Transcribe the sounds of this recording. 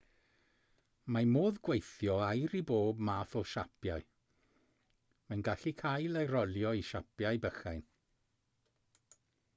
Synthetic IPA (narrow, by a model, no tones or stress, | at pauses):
mamoːðɡwejθjɔajɾiboːbmaːθɔʃapʰjaɨ | mɛnɡaɬikʰajlˠejɾɔlˠjɔiʃapʰjajbəxajn